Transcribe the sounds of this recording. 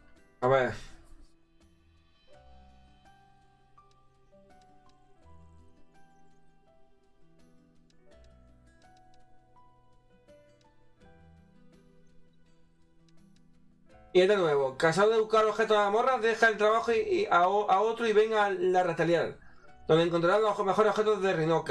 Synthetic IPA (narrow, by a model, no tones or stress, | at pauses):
aβeɾ | ied̪enwe̞βokasaðoðeβukaɾo̞βxe̞t̪oaamo̞raðe̞xaelt̪ɾaβaxoaaot̪ɾoiβe̞ŋalarat̪aljal | d̪oneŋk̬ont̪ɾaɾanome̞xo̞ɾo̞xe̞t̪oðerinok